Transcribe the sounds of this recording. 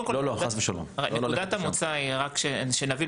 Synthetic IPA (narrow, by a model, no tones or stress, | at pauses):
kololoaχasbeʃalo̰mʁḛnneud̪at̪amut͡saiʁakʃeʃenavi